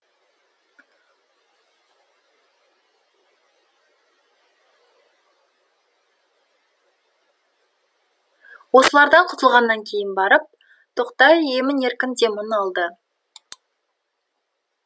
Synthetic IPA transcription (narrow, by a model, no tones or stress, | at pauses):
wo̞səlˠɑɾd̪ɑɴqʰʊ̥t̪əlˠʁɑnːɑŋkʲʰe̞jɪnbɑɾəp̚ | t̪ʰoqt̪ɑje̞mɪne̞ɾkʲɪnd̪e̞munɑlˠd̪ə